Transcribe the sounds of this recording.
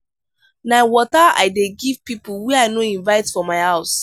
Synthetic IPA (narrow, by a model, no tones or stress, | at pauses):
naɪwɔtaa̰ɪdeɡiv̥pipuwiaɪnoĩnvaɪtfɔmaɪhaʊs